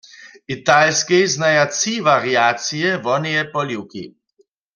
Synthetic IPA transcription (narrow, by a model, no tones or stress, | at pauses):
ʔit̪alskɛjznajat͡sivaʁiaːt͡sijɛvɔnɛjɛpɔljiwkḭ